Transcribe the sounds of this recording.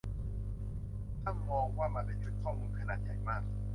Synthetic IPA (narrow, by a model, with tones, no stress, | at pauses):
t̪ʰa˥˩mmɔː˧ŋwaː˥˩ma˧npa˧jt͡ɕʰu˨˩kʰːɔː˥˩muː˧nkʰa˧naː˨˩t̪̚ja˨˩jmaː˥˩k̚